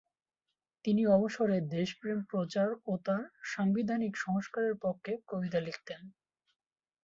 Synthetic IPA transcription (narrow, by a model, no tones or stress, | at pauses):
t̪iniɔboʃoɾed̪eʃpɾempɾot͡ɕaɾot̪aɾʃambid̪ʱanikʃɔɦoʃkaɾeɾpokʰːekobit̪alikʰt̪en